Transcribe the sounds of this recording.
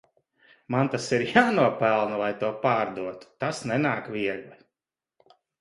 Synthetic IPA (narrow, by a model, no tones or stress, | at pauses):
mant̪asiɾjaːnuɔpælˠnulˠajt̪uɔpaːɾd̪uɔt̪u̥t̪asnɛnaːkvʲiɛɡlˠi